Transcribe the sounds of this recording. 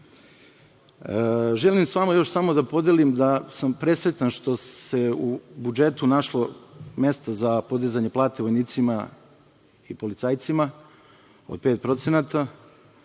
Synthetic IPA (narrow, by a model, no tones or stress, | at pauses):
ʒe̞limsʋamojo̞ʃsamo̞d̪apo̞d̪elimd̪asampɾe̞sɾe̞t̪anʃt̪o̞se̞ubud͡ʒe̞t̪unaʃlˠome̞st̪azapo̞d̪izaɲe̞plˠaːt̪eʋojniːt̪sima | ipo̞lit̪saːjt̪sima | o̰d̪̚peːt̪̚pɾo̞t̪senat̪a